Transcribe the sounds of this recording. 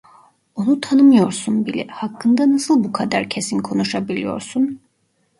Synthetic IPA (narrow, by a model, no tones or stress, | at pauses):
onut̪ʰanɯmɯjo̞ɾsunbilʲɛ̰hakʰːɯnd̪anasɯlˠbukʰad̪aɾcʰe̞sinkʰo̞nuʃabilʲijo̞̰ɾsun